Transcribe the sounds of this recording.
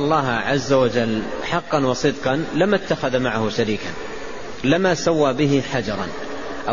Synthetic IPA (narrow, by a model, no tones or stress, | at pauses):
lˤːɑːɦʕazːawad͡ʒalːħɑqːɑnwɑsˤɨd̪qɑnlɪmat̪ːaxaðmaʕahʊʃaɾiːkan | lɪmasawːaːbɪɦɪħad͡ʒɑɾˤɑ̰n | ʔa